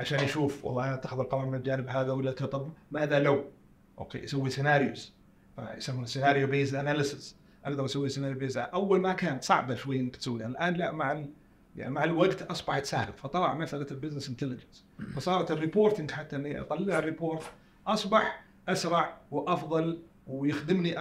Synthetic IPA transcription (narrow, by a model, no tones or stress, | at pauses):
ʕaʃaːnjʃuːfwɑ̰lˤːɑːʔnat̪ːaxðɪlqɑmɑɾˤmɪnɪld͡ʒaːnɪbhaːðawɪlːat̪ɑt̪ˤɑbmaːðalaw | ʔo̰kḛʔasawːisɪnaːɾjʊ̰z | faʔsamːnsːɪnaːɾjobeːsʔanalɪsɪz | ʔɑɡd̪ɑɾˤʔasawːisɪnaːɾjbeːzaʔawːalmakaːnt̪sˤɑʕbaʃwajːnbɪt̪sawːianlʔaːnlaʔmaʕal | a̰maʕalwaɡt̪ʔɑsˤbɑħt̪sa̰ːha̰mfɑt̪ˤɑlɑʕmaθalalbɪznɪsɪnt̪ɪlɪd͡ʒəns | fɑsˤɑːɾˤɑt̪ɪrːɪpoːɾt̪ɪŋɡħat̪ːaʔɪnːiʔt̪ˤɑlːɪʕərːˤɪpoːɾt̪ | ʔɑsˤbɑħ | ʔasɾˤɑʕwʔɑfðˤɑl | wjɪxd̪ɪmniʔ